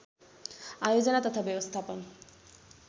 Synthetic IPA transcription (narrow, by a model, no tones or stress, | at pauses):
ajod͡ʑonat̪at̪ʰabebost̪ʰapo